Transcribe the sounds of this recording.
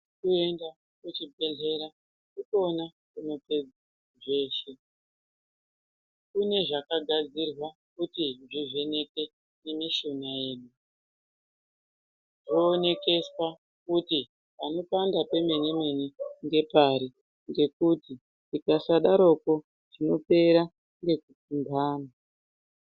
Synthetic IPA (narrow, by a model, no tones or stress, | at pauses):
kue̞nda | kut͡ʃibʱe̞ɮe̞ɾa | kutona | kuno̞pe̞d͡za | ʐe̞ːʃe̞ | kune̞ʐakaɡʱad͡zirwakutiʐiʐe̞ne̞ke̞ | nemiʃonaje̞ːnu | ʐoːne̞ke̞swa | kuti | pano̞pandape̞me̞nimeniŋɡe̞paɾi | ŋɡe̞kuti | tikasaɗaɾo̞ko̞ | ʐino̞pe̞ɾa | ŋɡe̞kutumbaːna